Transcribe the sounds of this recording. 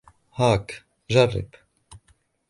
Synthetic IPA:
haːk | ʒɐrḭp

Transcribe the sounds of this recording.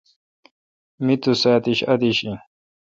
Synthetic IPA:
mit̪usaːt̪iɕɐd̪iɕi

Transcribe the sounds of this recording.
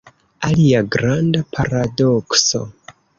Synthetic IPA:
aliaɡɾandapʰaɾadokso̰

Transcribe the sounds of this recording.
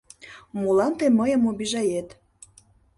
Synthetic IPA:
mulɑnt̪eməjə̆mobiʒɑjet̪

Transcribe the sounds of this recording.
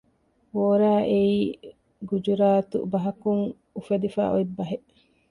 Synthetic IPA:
ʋoːɾaːʔeiː | ɡud͡ʒuɾaːt̪ṵbɐɦɐkuŋ | ufɐd̪ifa̰ːʔoibːɐɦeʔ

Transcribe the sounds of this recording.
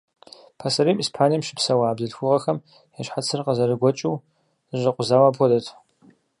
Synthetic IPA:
pʰasɐɾiːmiːspʰaːnijɐmʃɪ̥psɐwaːbzɨɬxʷʊʁɐxɐm | jaɕħat͡sʰɨrqɐzɐɾɨɡʷɔt͡ʃʼuː | ɨɕʷʼɐqʷʼʊzaːwaːpʰɔdɐtʰ

